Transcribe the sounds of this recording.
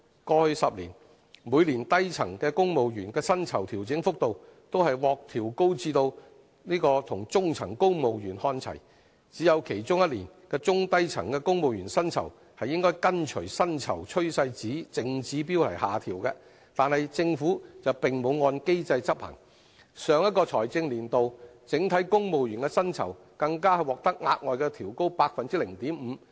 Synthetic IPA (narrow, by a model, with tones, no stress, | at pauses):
kɔː˧hɵ˧sɐ˨p̚lḭː˨˩n | muː˨˧jliː˨˩nt̪ɐ˥jt͡sʰɐ˨˩ŋkɛː˧kʊ˥ŋmo˨wjyː˨˩nkɛː˧sɐ˥nt͡sʰɐ˨˩wt̪ʰiː˨˩wt͡sɪ˨˥ŋfʊ˥k̚t̪o˨˧wt̪o˥whɐ˨jwɔː˨k̚t̪ʰiː˨˩wko˥wt͡siː˧t̪o˧w | niː˥kɔː˧t̪ʰʊ˨˩ŋt͡sʊ˥ŋt͡sʰɐ˨˩ŋko˥wmo˨wjyː˨˩nhɔː˧nt͡sʰɐ̰˨˩j | t͡siː˨˥jɐ˨˧wkʰe˨˩jt͡sʊ˥ŋjɐ˥t̚liː˨˩nkɛː˧t͡sʊ˥ŋt̪ɐ˥jt͡sʰɐ˨˩ŋkɛː˧kʊ˥ŋmo˨wjyː˨˩nsɐ˥nt͡sʰɐ̰˨˩w | hɐ˨jɪ˥ŋkɔː˥jkɐ˥nt͡ʃʰɵ˨˩sɐ˥nt͡sʰɐ̰˨˩wt͡ʃʰɵ˥ɥsɐ˧jt͡siː˨˥t͡sɪ˨˧ŋt͡siː˨˥piː˥wlɐ˨˩jhaː˨˩t̪ʰiː˨˩wkɛː˧ | t̪aː˨nhɐ˨jt͡sɪ˧ŋfuː˨˥t͡sɐ˨wpɪ˨ŋmo˨˧wŋɔː˧nke˥jt͡sɐ˧jt͡sɐ˥p̚hɐ̰˨˩ŋ | sœː˨˧ŋjɐ˥t̚kɔː˧t͡sʰɔː˨˩jt͡sɪ˧ŋliː˨˩nt̪o˨wt͡sɪ˨˥ŋt̪ʰɐ˨˥jkʊ˥ŋmo˨wjyː˨˩nkɛː˧sɐ˥nt͡sʰɐ̰˨˩w | kɐ˧ŋkaː˥hɐ˨˩jwɔː˨˩k̚t̪ɐ˥k̚ŋaː˧t̚ŋɔː˨jkɛː˧t̪ʰiː˨˩wko˥wpaː˧k̚fɐ˨nt͡siː˥lɪ˨˩ŋt̪iː˨˥mm̩ː˨˧